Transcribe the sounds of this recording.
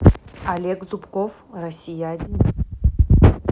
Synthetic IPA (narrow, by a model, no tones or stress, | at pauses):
alʲekʼzupkof | rasʲijadʲin